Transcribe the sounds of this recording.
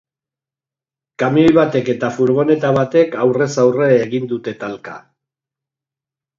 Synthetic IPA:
kamiojβat̪e̞ke̞t̪afuɾɣo̞ne̞t̪aβat̪e̞kawre̞sawre̞ːɣind̪ut̪e̞t̪alka̰

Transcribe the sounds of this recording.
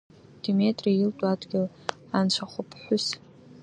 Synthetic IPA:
d̥emetʼriailtʼuadɡʲɪl | ant͡ʃʷʰaχʷʊpʰħʷʊs

